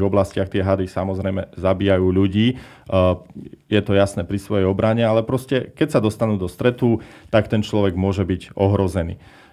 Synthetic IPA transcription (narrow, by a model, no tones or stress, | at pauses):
ɔblascɪaxt̪ɪɛɦad̪isamɔzɾɛjmɛzabiːjajuːʎuɟiː | jɛt̪ɔjasnɛːpɾisʋɔjɛjɔbɾaɲɛalɛpɾɔscɛkɛcsad̪ɔst̪anuːd̪ɔst̪ɾɛt̪ut̪akt̪ɛnt͡ʃlɔʋɛɡmʊɔʒɛbiɟɔɦɾɔzɛnḭː